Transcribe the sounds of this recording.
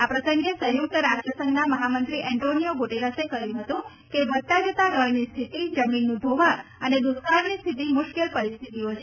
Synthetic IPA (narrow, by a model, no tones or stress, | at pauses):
apɾəsəŋɡesəjuk̚t̪əɾad͡ʒəsəŋɡnaməɦamənt̪ɾiʔɛɳʈonijoɡoʈeɾasekəɾjũɦət̪ũ | kebət̪ad͡ʒət̪aɡəɭnist̪ʰit̪id͡ʒəminːubʱoʋaəned̪ʊskaɾnist̪ʰit̪̬imʊʃkelpəɾist̪ʰit̪iot͡ʃʰe